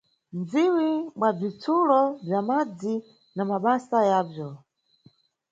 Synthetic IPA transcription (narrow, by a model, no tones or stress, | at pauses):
nd͡ziwimwab͡ʐit͡sʰulɔb͡ʐjamad͡zi | namaɓasajaːvjɔ